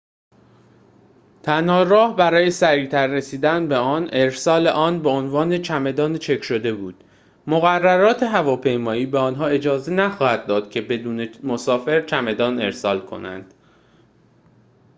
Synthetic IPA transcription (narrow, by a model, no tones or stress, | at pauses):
t̪ʰænhɒːɾɒːhbæɾɒːje̞sæɾiːt̪ʰæɾːesiːd̪ænbe̞ɒːne̞ɾsɒːle̞ʔɒːnbe̞onvɒːne̞t͡ʃʰæme̞d̪ɒːnt͡ʃʰe̞kʰʃo̞d̪e̞buːd̪̥ | moɣærːæɾɒːt̪ʰeɦævɒːpʰe̞jmɒːiːbeɒːnɦɒːe̞d͡ʒɒːze̞næxɒːhæd̪̚ːɒːd̪̥cʰe̞be̞d̪uːne̞mosɒːfe̞ɾt͡ʃʰæme̞d̪ɒːne̞ɾsɒːlkʰo̞̰næ̰nd̪̥